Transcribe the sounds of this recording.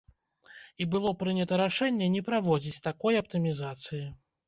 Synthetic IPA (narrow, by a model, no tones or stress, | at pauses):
ibɨlˠɔpɾɨnʲɐt̪ɐɾaʂɛnʲːɛnʲɛpɾavɔd͡zʲit͡sʲt̪akɔjɐpt̪ɨmʲizat̪sɨji